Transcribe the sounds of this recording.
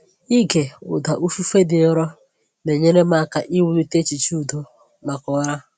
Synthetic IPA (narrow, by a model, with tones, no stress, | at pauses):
i˦ke˨ʊ̰˨da˨ʔu˦fu˦fe˦dɪ˨ɔ˦ɾɔ˦ | ne˨ɲe˦ne˦ma˦ka˨ʔi˦wu˦li˦te˦t͡ʃi˨t͡ʃu˦˨do˦ | ma˨kɔ˨˦ɾa˦